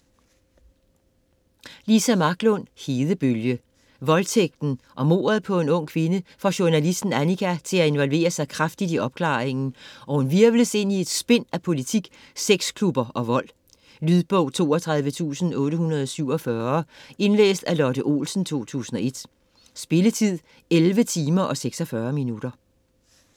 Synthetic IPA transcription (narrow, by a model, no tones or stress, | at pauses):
lisæmɑ̈ɡ̥lɔ̽n̰he̝ːðˠəb̥øljə | ʋɒ̽lt͡sʰeɡ̥̚d̥n̩ | ʔɒ̽mo̝̰ːɐðˠpʰɒ̽e̝nɔ̽ŋ̰kʰʋe̝nəfɒ̽ɕuɐnælisd̥n̩ænikʰæt͡sʰe̝læe̝nʋɒ̽lʋe̝̰ːɐsɑ̈ɪkʰʁafd̥id̥iɒ̽b̥̚kʰlɑ̰̈ːeŋn̩ʔɒ̽hunʋiɐʋləse̝n̰ie̝d̥sb̥e̝n̰æpʰo̝lit͡sʰiɡ̥ | seɡ̥skʰlub̥ɐʔɒ̽ʋɒ̽l̰ | lyðˠb̥ɔʊ̰t͡sʰo̝̰ːɒt͡sʰʁɑ̈ð̞ˠʋət͡sʰṵːsn̩ɔ̽ːɾəhunɐð̞ˠɒ̽syʊ̰ɒ̽fɶɐe̝nlḛːsd̥ælɒd̥əʔo̝̰ːlsn̩t͡sʰo̝̰ːt͡sʰṵːsn̩ɒ̽e̝d̥ | sb̥e̝lət͡sʰið̰ˠ | elʋət͡sʰiːmɐʔɒ̽seɡ̥sɒfɶːɐminuɾ̥ɐ